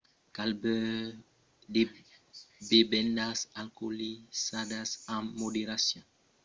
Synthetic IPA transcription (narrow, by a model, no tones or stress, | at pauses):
kalbə | de | bebɛndasalkolisadasamodeɾasjɔ̃